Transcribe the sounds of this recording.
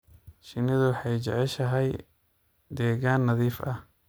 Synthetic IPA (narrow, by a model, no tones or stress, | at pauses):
ʃɪnɪðʊwħɑjt͡ʃɛ̰ʕɛʃɐɦɛj | d̪ɛːɣaːnːɐðiːfʔɐ̰h